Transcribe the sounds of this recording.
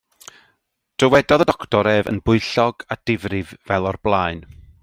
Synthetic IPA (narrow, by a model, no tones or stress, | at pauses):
d̥rəwɛdɔðədɔktɔɾɛvə̰nbʊɨɬɔɡad̥ɪvrɪvvɛlˠɔrblˠaɨn